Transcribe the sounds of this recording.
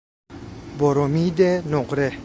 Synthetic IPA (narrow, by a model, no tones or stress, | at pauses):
bɔɾomiːd̪enoqɾe